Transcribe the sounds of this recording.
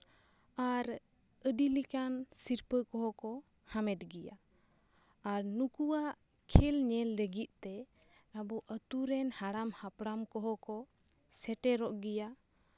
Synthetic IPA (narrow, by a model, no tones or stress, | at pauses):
aɾəɖilikansiɾpəkɔɦɔkɔhamɛt̚ɡija̰ː | ɾnukuwaʔkʰɛlɲɛlːəɡit̪̚ˀt̪ɛ | abɔʔət̪uɾɛnhaɽamhapɽamkɔɦɔkɔ | sɛʈɛɾɔʔɡija